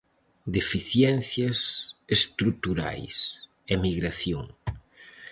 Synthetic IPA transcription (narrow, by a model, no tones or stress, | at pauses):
d̪efiθjɛnθjɐsest̪ɾut̪uɾa̰js | emiɣɾaθjoŋ